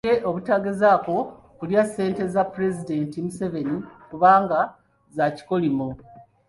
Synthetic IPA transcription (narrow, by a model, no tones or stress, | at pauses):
eʔo̞βutaɡezaːko̞ | kuljase̞ːnte̞zapuɾe̞zide̞ntimuse̞ve̞nikuβaːŋɡa | zaci̥ko̞limo